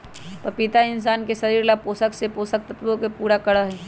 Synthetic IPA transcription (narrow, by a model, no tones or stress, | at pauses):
pɐpɪt̪aɪns̬aːnkesɐɾiːɾlapoːsəksepoːsək̚t̪ɐt̪bokepuːɾakɐɽaɦɛː